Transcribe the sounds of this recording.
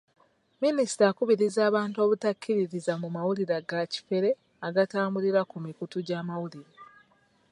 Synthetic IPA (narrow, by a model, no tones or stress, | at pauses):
minisi̥takuβiɾizaːβaːnto̞ːβutakʰːiɾiɾizamumawuliɾaɡaci̥fe̞ɾe̞ | aɡataːmbuliɾakumikutuɟaːmawuliɾa